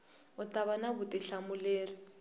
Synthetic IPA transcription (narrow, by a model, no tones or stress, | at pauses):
ʊtaβanaβʊtɪɬamʊlɛːlɔ